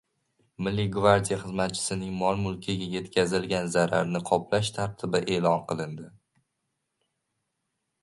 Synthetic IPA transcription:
mɪlːɪɡvaɾd̪ʲijaχɨzmat̪̚t͡ʃʰɪ̥sɪnɪŋmɒlˠmʊlˠkʲʰɪɡʲaje̞t̪kʲʰazɪlɡʲanzaɾa̰ɾnɪqʰɒplaʃt̪ʰaɾt̪ʰɪbɪʔe̞ːlɒnqʰɨlˠɪnd̪ɪ

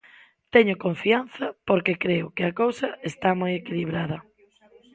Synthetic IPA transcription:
t̪ɛɲʊkoɱfianθɐpoɾkekɾeʊkɪɐkowsɐest̪amojekiliβɾað̞ɐ

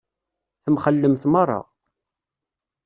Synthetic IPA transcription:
θəmχəlːəmθmərˤːɑ̰

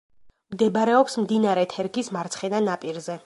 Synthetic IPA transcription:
md̪ɛbɾɛɔpsmd̪inaɾɛt̪ʰɛɾɡismaɾt̪sʰχɛnanapʼiɾzɛ

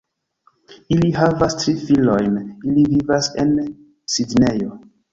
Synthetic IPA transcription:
iliɦavastɾifilo̞jnilivivase̞n | sidne̞jo̞

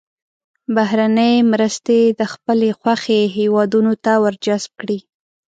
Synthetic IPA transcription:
baɦɾanəjmɾəst̪ed̪əxpəlexwaxeɦewɑd̪unot̪awəɾd͡ʒasb̚kɽi

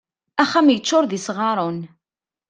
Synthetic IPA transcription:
æχæmjət͡ʃːʊɾðisʁɑɾˤon

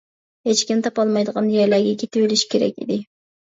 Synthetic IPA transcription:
het͡ʃkʲimt̪ʰɑpɑlˠmɑjd̪əʁɑnjeɾlæɾɡʲɛkʲʰet̪ipeliʃi̥kʲʰeɾɛ̰kʲḭd̪ɪ

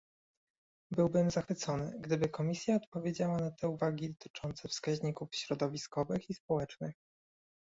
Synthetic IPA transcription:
bɘwbɘmzaxfɘt̪sɔnɘɡd̪ɘbɘkɔmʲisʲjaɔt̪pɔvʲjed͡ʑawanat̪ʰɛuvaɡʲid̪ɔt̪ʰɘ̥t͡ʂɔnt̪sɛfskaʑɲikufɕɾɔd̪ɔvʲiskɔvɘxispɔwɛt͡ʂnɘx

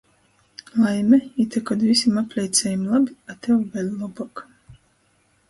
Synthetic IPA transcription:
lˠajmʲɛit̪ʲɛkɔd̪vʲisʲimapʲlʲɛjt̪sʲɛjimlˠabʲiat̪ɛwvʲɛlʲlˠɔbɔk

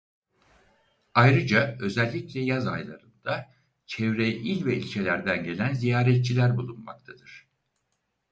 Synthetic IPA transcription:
ajɾɯd͡ʒaø̞zɛlʲːiclʲɛjaza̰jlˠa̰ɾɯnd̪̥a | t͡ʃʰɛvɾeʔilʲvɛilʲcʰelʲæɾd̪ænɟe̞lʲænzijaːɾɛt̪̚t͡ʃʰilʲæɾbulˠunma̰k̚t̪ʰad̪ɯɾ̥

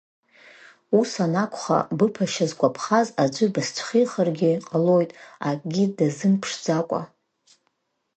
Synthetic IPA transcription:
usanakʷʰʼχa̰bɨpʰaʃazɡʷapʰχazad͡ʒʷɨbast͡ʃʷʰχijχarɡʲɪqʼalo̞jtʼakʼɡʲidazɨmpʰʂd͡zakʷʼa̰

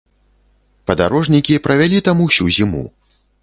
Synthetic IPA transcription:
pɐd̪a̰ɾɔʐnʲikʲipɾɐvʲalʲit̪amuwsʲuzʲimṵ

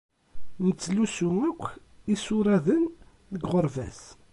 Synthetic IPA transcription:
mət͡sːlusuækʷː | isʊɾˤæðən | ðəɡʁəɾˤvæ̰s

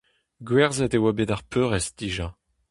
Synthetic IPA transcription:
ɡwɛʁzɛt̪ewabed̪aʁpʰøʁɛst̪iʒã

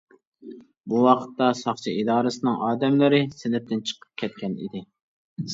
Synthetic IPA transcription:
buwɑqʰə̥t̪ːɑsɑχt͡ʃʰiid̪ɑːɾɨsɨnɨŋʔɑːd̪ɛmlɪɾɪsɪlɪp̚t̪ɪnt͡ʃʰə̥qʰə̥p̚kʲʰɛt̪̚kʲɛnḭd̪ɪ

